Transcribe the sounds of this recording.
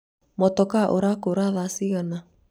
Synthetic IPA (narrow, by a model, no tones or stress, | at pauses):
mɔtɔkaʔoɾakoɾaðasiɣana